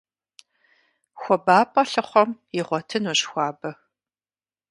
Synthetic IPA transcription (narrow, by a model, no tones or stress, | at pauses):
xʷɔbaːpʼɐɬɨχʷɔmjɪʁʷɔtʰɨnoɕxʷɑːbɐ